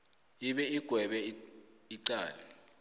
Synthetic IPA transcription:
iɓɛiɡ̥ʱwɛɓɛiǀaːlɛ

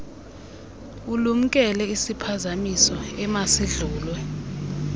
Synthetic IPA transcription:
ulum̩kʼɛlɛisipʰazamisɔɛmasiɮuːlwɛ

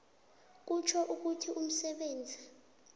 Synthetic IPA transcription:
k̬ut͡ʃʰɔʔuk̬utʰiʔum̩sɛɓeːnd͡zʱi

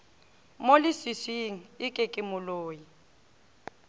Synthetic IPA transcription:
molɪsisiŋ̩ɪkʼɪkʼɪmʊloːji

